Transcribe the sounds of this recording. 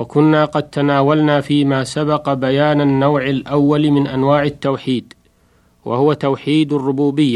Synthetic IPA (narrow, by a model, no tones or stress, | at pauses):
wakʊnːaːqɑd̪̚t̪anaːwalnaːfiːmaːsabɑqɑbajaːnanːawʕalʔawːalmɪnʔanwaːʕat̪ːawħiːd̪ | wʔa̰hʊwat̪awħiːd̪arːʊbuːbɪjːa